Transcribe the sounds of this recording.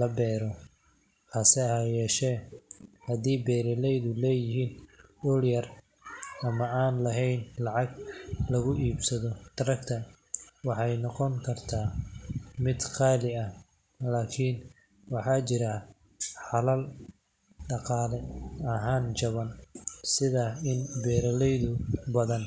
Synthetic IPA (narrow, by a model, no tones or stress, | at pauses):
lɐbɛːɾɔ | ħɑsɛhajɛːʃɛːhɐd̪iːbɛːɾɪlɛjðʊlɛːjɪɦiːnɔɽjɐr | ɐmɐaːnlɐɦɛjnlɑʕɑɡlɐɣʊʔiːbsɐðɔd̪̥ɐɾɐkt̪ʰɐ | wɑħɑjnɔqɔŋkʰɐrt̪ʰaː | mɪd̪χɑːlɪɐh | laːkʰin | wɑħɑːt͡ʃɪɾɐ | ħɑlɐl | ɖɑqɑːlɛɐɦaːnt͡ʃɐβɐnsɪðɐɪnbɛːɾɐlɛjðʊbɐðɐn